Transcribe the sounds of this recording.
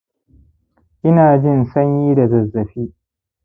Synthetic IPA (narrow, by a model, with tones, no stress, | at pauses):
ʔɪ˦naː˨d͡ʒɪ˦˨nsɐ˦ɲjiː˦da˨zɐ˨zːɐ˨ɸiː˦